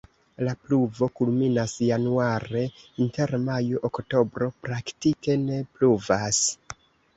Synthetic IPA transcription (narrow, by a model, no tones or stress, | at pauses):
lapluvo̞kulminasjanuaɾe̞inte̞ɾmajuʔokto̞bɾo̞pɾaktike̞ne̞pluvas